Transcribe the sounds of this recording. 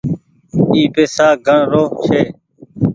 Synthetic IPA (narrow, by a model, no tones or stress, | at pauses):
iːpeːsaːɡʱəɳɾoːt͡ʃʰeː